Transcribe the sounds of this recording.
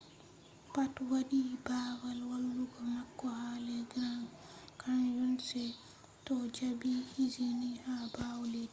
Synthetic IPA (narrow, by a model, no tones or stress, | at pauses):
patwadibaːwalwalːuɡɔmakːɔhaːlɛɡɾaŋkʰanjunsɛ | tɔd͡ʒabihizinihabawlɛ